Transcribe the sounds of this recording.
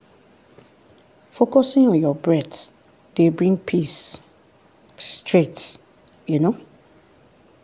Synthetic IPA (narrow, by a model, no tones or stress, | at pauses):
fokɔsɪ̃ŋɔ̃njɔbɹɛt | d̥ebɹĩŋpʰis | tɹet | juno